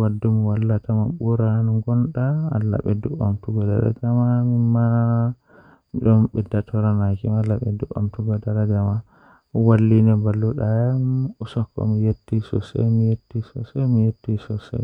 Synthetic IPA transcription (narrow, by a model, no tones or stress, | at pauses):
wadːumiwalːatamaɓuɾanuɡɔnɗa̰ːlːa̰ɓɛduamtuɡada̰ɾa̰ɡamamima | ɗɔmɓɛdatʰɔɾanakimalːaɓɛdua̰mtuɡadaɾaɡama | walːinɛbalːuɗajamusɔkːɔ̰mijetːisɔ̰sɛ̰mijetːisɔ̰sɛmijetːisɔsɛ̰